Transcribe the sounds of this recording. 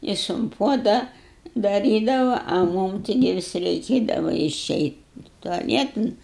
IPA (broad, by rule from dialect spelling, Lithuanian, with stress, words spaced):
ˈjɪs ʊn ˈpuɔdɐ dɐˈrʲiːdɐʋɐ ɐ ˈmuːm ˈtʲɪɡʲɪ ˈʋʲɪs rʲɛɪˈkʲeːdɐʋɐ ɪˈʃʲɛɪtʲ tʊɐˈlʲiɛtɐn